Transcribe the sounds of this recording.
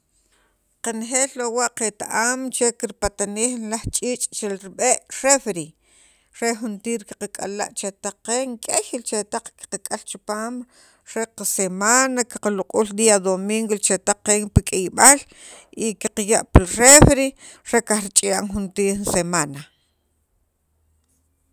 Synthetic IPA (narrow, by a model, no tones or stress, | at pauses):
qanχeːllowaʔqet̪aʔaːmt͡ʃekiɾpat̪aniːxnlaχt͡ʃʼiːt͡ʃʼt͡ʃelɾiɓeʔɾefɾi | ɾeχunt̪iːɾki̥qakʼa̰la̰ʔt͡ʃet̪aq͡χqːeːŋkʼejlt͡ʃet̪aq͡χki̥qakʼalt͡ʃipaːm | ɾeqasemanaki̥qaluqʼuːld̪iad̪omiŋɡwult͡ʃet̪aq͡χqːeːŋpikʼejɓal | ikiqajaʔpilrefɾi | ɾekaχɾit͡ʃʼijaʔŋχunt̪iːɾnsemaːna